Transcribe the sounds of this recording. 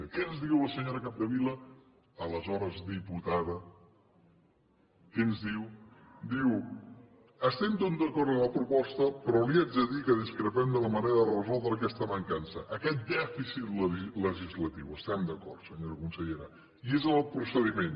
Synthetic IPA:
kɛənzðiwəsəɲoɾəkap̚d̪əβiləː | ləzɔɾəzd̪iput̪aðə | kɛnzðiw | d̪iw | əst̪ɛmt̪od̪əkɔɾt̪əmləpɾupɔst̪əpɾɔliazəðikəðiskɾəpɛmd̪ələməneɾəðərəzɔlˠd̪ɾəːkɛst̪əməŋkansəʔəkɛt̪̚d̪ɛfisit̪lələʒizlət̪iwəst̪ɛmd̪əkɔrt̪səɲoɾəkunsəʎeɾə | iezəlˠpɾusəðimen

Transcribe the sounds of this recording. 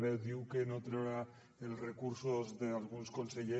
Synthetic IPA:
βeðiwkenot̪ɾoɾa | elre̞kuɾsozðealɣ̞unskonseʎe

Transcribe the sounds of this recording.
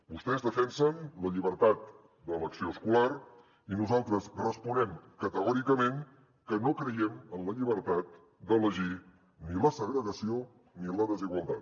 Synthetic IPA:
bust̪ɛzðəfɛnsənləʎiβəɾt̪at̪̚ | d̪ələksioskular | inuzalˠt̪ɾəzrəspunɛmkət̪əɣɔɾikəmeŋ | kənokɾəjɛmənləʎiβ̞əɾt̪at̪̚ | d̪ələʒi | niləsəɣɾəɣəsio | niləðəziɣwəlˠt̪at̪

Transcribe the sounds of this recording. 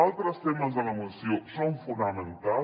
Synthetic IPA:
owt̪ɾɐst̪emɐzɐlɐmusiosɐ̃w̃fũnd̪amẽnt̪a

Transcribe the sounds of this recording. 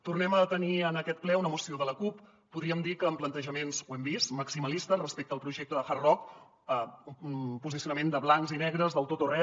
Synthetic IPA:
t̪urnɛmət̪əniənəkɛt̪̚plɛunəmusioðələkupː | uðɾiəmd̪ikəːmplənt̪əʒəmenzwɛmbist̪məksiməlist̪ərəspek̚t̪əːlˠpɾuʒɛk̚t̪əðəfarrɔk | əunpuzisiunəmend̪əβlaŋzinɛɣɾəzðəlˠt̪ot̪orɛ

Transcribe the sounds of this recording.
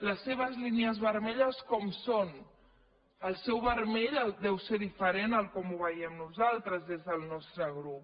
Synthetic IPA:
ləsːeβ̞əzliniəzβəɾmɛʎəskɔmson | əlˠsɛwβəɾmeʎəd̪ɛwseðifəɾenəlˠkɔmuβəiəmnuzalˠt̪ɾəzðezðəlˠnɔst̪ɾəɣɾup̚

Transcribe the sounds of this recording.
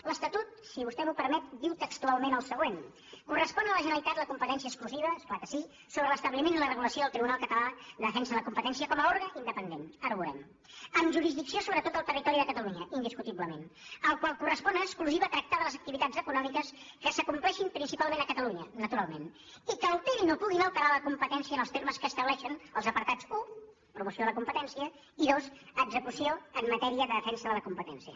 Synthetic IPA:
ləst̪ət̪ut̪siβust̪ɛmupəɾmɛt̪biwt̪əkst̪ualˠmenəlˠsəɣ̞wen | kurəspɔnələʒənəlit̪at̪ləkumpət̪ɛns̬iəkskluziβ̞əsklakəsi | soβɾələst̪əβlimenilərəɣuləsioðəlˠt̪ɾiβunalˠkət̪əlaðəðəfɛnsəðələkumpət̪ɛnsiəkɔməoɾɣəʔind̪əpənd̪enəɾβuɾɛ̰m | əmʒuɾizðiksiosoβɾət̪ot̪əlˠt̪ərit̪ɔɾiðəkət̪əluɲəʔind̪iskut̪iβləmḛnəlˠkwalˠkurəspɔnəːkskluziβəːt̪ɾək̚t̪aðələzək̚t̪iβit̪ad͡zəkunɔmikəs | kəsəkumplɛʃimpɾinsipalˠmẽnəkət̪əluɲənət̪uɾalˠmen | ikəlˠt̪ɛɾinopuɣinəlˠt̪əɾaləkumpət̪ɛnsiənəlˠst̪eɾməskəːst̪əβlɛʃənəlˠzəpəɾt̪ad͡zu | pɾumusioələkumpət̪ɛnsiə | iðosəɡzəkusioəmːət̪ɛɾiəðəðəfɛnsəðələkumpət̪ɛnsiə̰

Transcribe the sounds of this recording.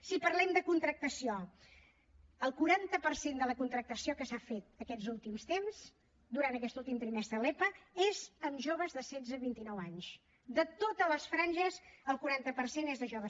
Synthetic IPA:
sipərlɛmd̪əkunt̪ɾək̚t̪əsio | əlˠkuɾant̪əpəɾsend̪ələkunt̪ɾək̚t̪əsiokəsafet̪̚əkɛzulˠt̪imst̪emz | d̪uɾant̪əkɛst̪ulˠt̪imt̪ɾimɛst̪ɾəlepəezəmʒoβəzðəsɛd͡zəβint̪inɔwaɲs | d̪ət̪ot̪ələsfɾanʲʒəzəlˠkuɾant̪əpərsenezðəʒoβə

